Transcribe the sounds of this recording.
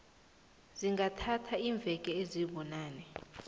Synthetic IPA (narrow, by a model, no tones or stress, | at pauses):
ziŋɡatʰatʰaiːɱb̪vʱɛkʼɛeziɓɔnaːnɛ